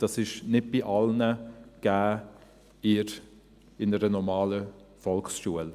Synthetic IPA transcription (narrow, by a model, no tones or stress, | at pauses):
d̥ɑsɪʃnɪd̚b̥ɪʔɑlnəɡ̥æː | ɪɾ | ɪnəɾənɔmɑːləfɔlksʃuəl